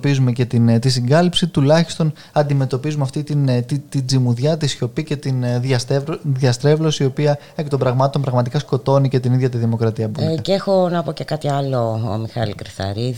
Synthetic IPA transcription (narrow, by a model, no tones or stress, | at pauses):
pizume̞ce̞t̪int̪isiŋɡɐlipsit̪ulɐçist̪o̞n | ɐnd̪ime̞t̪o̞pizumeɐft̪it̪int̪it̪id͡zimuðʝɐt̪isço̞pice̞t̪inɐðʝɐst̪ɾe̞vlo̞siio̞piɐ | e̞kt̪o̞mbɾɐɣmɐt̪t̪o̞mpɾɐɣmɐt̪ikɐsko̞t̪o̞nice̞t̪iniðʝɐt̪̬iðimo̞kɾɐt̪iɐbceexo̞nɐpo̞cekɐt̪iɐlo̰ːmixɐlikɾiθɐ̰ɾi